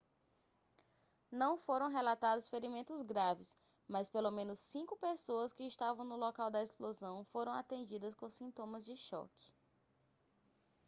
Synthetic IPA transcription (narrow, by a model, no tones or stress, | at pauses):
nɐ̃w̃foɾɐ̃w̃ɦelat̪ad̪ʊsfeɾimẽnt̪ʊzɡɾavɪs | mɐspelomẽnʊsːĩkʊpesoɐskɪɪst̪avɐ̃w̃nʊlɔkawd̪ɐesplozɐ̃w̃foɾɐ̃w̃at̪ẽnd͡ʒid̪ɐskõsĩnt̪õmɐzd͡ʒɪʃɔ̰kɪ̥